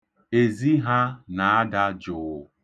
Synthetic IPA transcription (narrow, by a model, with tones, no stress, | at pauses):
e˨zi˦ɦa˦na˨a˦da˦d͡ʒʊ˨˦